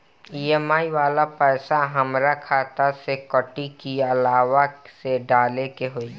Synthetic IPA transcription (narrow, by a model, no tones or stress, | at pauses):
ieːmaːiʋaːlapɛːsaɦəmɾakʰaːt̪asekəʈikiəlaːʋaseɖaːlekeɦoi